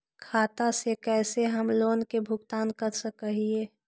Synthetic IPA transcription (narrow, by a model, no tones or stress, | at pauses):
kʰaːt̪asekɛːseɦəmloːnkebʱʊɡt̪aːnkəɾsəkəɦieː